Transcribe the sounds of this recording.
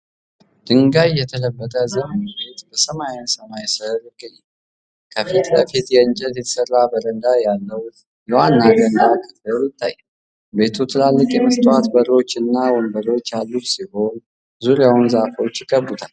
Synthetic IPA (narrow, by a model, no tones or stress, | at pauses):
d̪̥ɨŋɡajːɛt̪ʰələbːət̪ʼʰəzəmənbe̞t̪bəsəmajɪnsəmajsəɾɪɡəɲːɛ | kʰəfit̪kəfit̪jɛɨɲt͡ʃʼɛt̪jɛt̪ʰə̥sərːabəɾənd̪ajalːəw | jɛwanːaɡənd̪akʰət̪əɾjɪt̪ʰːa̰jː | be̞t̪ʰut̪ʰɨlalːɨkʼjɛməst̪ʰʼwat̪bəɾo̞t͡ʃːɨnːawɔnbəɾo̞t͡ʃːjalːut̪siho̞n | zuɾjawunzafo̞t͡ʃːjɪkʼːəbut̪ʰal